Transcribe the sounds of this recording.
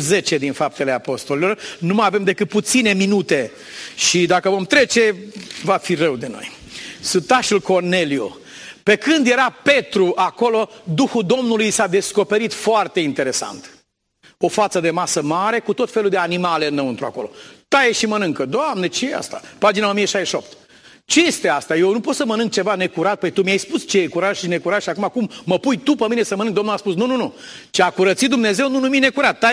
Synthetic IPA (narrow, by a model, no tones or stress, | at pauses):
ze̞t͡ʃe̞d̪infap̚t̪e̞le̞apo̞st̪olilo̞rnumajave̞md̪e̞kɨt̪̚put̪sine̞minut̪e̞ | ʃid̪akəvo̞mt̪ɾe̞t͡ʃe̞vafirəwd̪eno̞̰j | sut̪aʃulko̞rne̞lio̰ | pe̞kɨnd̪je̞ɾape̞t̪ɾuʔako̞lo̞d̪uxud̪o̞mnulujsad̪e̞sko̞pe̞ɾit̪foart̪e̞int̪e̞ɾe̞sa̰nt̪ | o̞fat̪səd̪e̞masəmaɾe̞kut̪o̞t̪fe̞luld̪eanimaleɨnːəwɨnt̪ɾua̰ko̞̰lo̞̰t̪ajeʃimənɨŋkəd̪oamnet͡ʃejea̰st̪apad͡ʒinao̞mijeʃaeʃio̞̰p̚t̪ | t͡ʃe̞je̞st̪e̞ast̪ajewnupo̞t̪səmənɨŋk̚t͡ʃe̞vane̞kuɾat̪̚pəjt̪umiajspust͡ʃejekuɾaʒ̥ʃine̞kuɾat̪ʃiakumakumːəpujt̪upəminesəmənɨŋk̚d̪o̞mnulaspusnununu | t͡ʃeakuɾət̪sit̪̚d̪umne̞ze̞wnunumine̞kuɾat̪̚ːa